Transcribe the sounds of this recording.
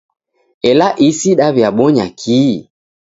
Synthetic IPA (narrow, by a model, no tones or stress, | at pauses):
ɛlaʔisiɗaβjaɓɔɲakʰi